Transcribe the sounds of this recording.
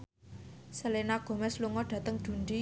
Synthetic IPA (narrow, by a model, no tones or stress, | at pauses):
səlenaɡ̥o̤mɛsluŋɔɖ̥ä̤t̪əŋd̪̥ṳɳdi